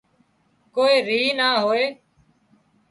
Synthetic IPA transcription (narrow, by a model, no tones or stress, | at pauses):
koːiːɾiːnaːɦoːeː